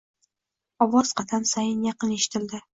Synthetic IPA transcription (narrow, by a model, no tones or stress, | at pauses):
ɒwɒzqʰɑt̪ʰansajɪnjɑqɨneʃɪ̥t̪ʰɪld̪ɪ